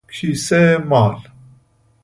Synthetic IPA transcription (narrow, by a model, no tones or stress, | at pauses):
kʰisɛmaːl